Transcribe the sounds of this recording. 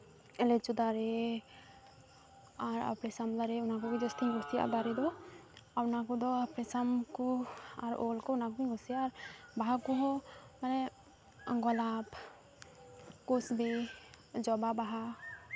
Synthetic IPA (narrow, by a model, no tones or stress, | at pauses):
ɛlɛt͡ʃud̪aɾɛ | aɾa̰pɾɛsamlaɾɛunakɔkid͡ʒɔst̪ʰiɡɔsija̰ʔbaɾɛd̪ɔaɾnakɔd̪ɔpɾɛsamkɔaɾɔ̰lkɔunakupiŋɡɔsiaaɾbaɦakuɦɔmanɛ | ɡɔlap | kusbɛ | d͡ʒɔbabaɦa